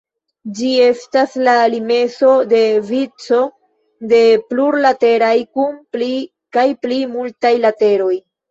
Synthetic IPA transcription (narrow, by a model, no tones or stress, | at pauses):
d͡ʒie̞staslaːlime̞so̞de̞vit͡so̞ | de̞pluɾlate̞ɾajkunpli | kajplimultajlate̞ɾo̞j